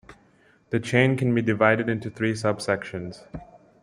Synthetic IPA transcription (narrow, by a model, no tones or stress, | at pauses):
ð̥ət͡ʃʰẽɪ̃nkɨ̃nbidɪvaɪɾɨɾɪ̃ntuθʰɹiːsʌbsɛkʃə̃nz̥